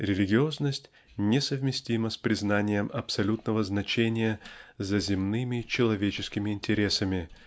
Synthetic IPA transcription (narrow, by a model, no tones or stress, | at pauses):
ɾʲɪlʲɪɡʲɪo̞znəsʲtʲ | nʲɪsəvmʲɪsʲtʲiməspɾʲɪznanʲɪjəmɐpsɐlʲut̪nəvəznɐt͡ɕenʲɪjəzəzʲɪmnɨmʲɪt͡ɕɪlˠɐvʲet͡ɕɪskʲɪmʲɪɪnʲtʲɪɾʲe̞səmʲɪ